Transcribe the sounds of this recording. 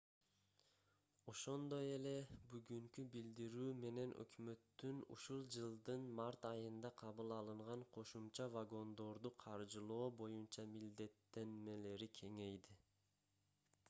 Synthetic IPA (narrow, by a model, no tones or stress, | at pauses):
o̞ʃo̞nd̪o̞je̞le̞byɡyŋkybild̪iɾyːme̞ne̞nʔø̰kmø̞t̪ːynṵʃulˠd͡ʒɯlˠd̪ɯnmɑɾt̪ɑjɯnd̪ɑqʰɑβɯlˠɑlˠɯɴʁɑɴqʰo̞ʃumt͡ʃɑvaɡo̞nd̪o̞ɾd̪uqʰɑɾd͡ʒɯlˠo̞ːbo̞junt͡ʃɑmild̪e̞t̪ːe̞nme̞le̞ɾikʲʰe̞ŋe̞jd̪i